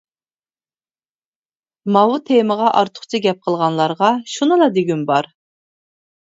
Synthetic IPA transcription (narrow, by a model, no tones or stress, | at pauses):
mɑwut̪ʰeməʁɑʔɑɾt̪ʰʊ̥χt͡ʃʰiɡʲɛp̚qʰəlˠʁɑnlˠɑɾʁɑʃunɨlˠɑd̪eɡʲynbɑɾ